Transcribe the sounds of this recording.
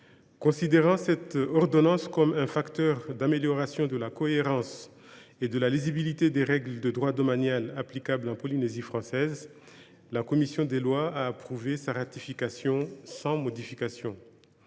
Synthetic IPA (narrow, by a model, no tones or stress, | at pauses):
kɔ̃sid̪eʁɑ̃sɛt̪ɔʁd̪ɔnɑ̃skɔmɛ̃fakt̪œʁd̪ameljɔʁasjɔ̃d̪əlakɔeʁɑ̃s | ed̪əlaliʒibilit̪ed̪eʁɛɡld̪əd̪ʁwad̪ɔmanjalaplikablɑ̃pɔlinezifχɑ̃sɛz | lakɔmisjɔ̃d̪elwaaːpχuvesaʁat̪ifikasjɔ̃sɑ̃mɔd̪ifikasjɔ̃